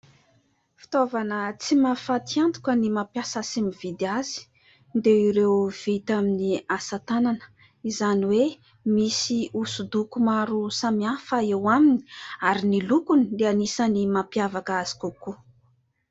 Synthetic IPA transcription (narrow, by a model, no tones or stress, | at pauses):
fi̥t̪ovanət͡simafat̪iant̪u̥kənimapjasasimivid̪iazi̥ | nd̪eiɾewv̥it̪aminiasat̪ananə̥ | izaniwe | misiusud̪ukumaɾusamiafəewamini̥aɾinilukunileanisənimapjavakəazi̥kuku